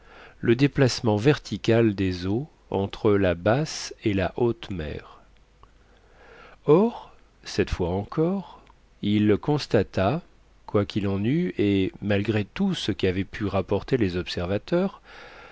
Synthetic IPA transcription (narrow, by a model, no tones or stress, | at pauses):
ləd̪eplasmɑ̃vɛʁt̪ʰikʲald̪ezo | ɑ̰̃t̪χəlabaselaʔot̪mɛ̰ːʁ | ɔʁ | sɛt̪fwaɑ̃kʰɔʁ | iləkɔ̃st̪at̪a | kwakʲilɑ̃nyemalɡʁet̪usəkʲiavɛpʰyʁapɔʁt̪elezɔpsɛʁvat̪œːʁ